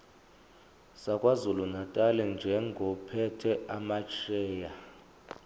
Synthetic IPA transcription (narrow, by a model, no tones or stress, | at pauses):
sakʼwazulunatʼalɛnd͡ʒʱɛŋɡʱɔpʰɛtʰɛamat͡ʃʰɛːja